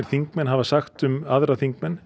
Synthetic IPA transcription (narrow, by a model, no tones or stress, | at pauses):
ɪɾ̥θiŋkmɛnɦavasaxt̪ʏmaðɾaθiŋkmɛnː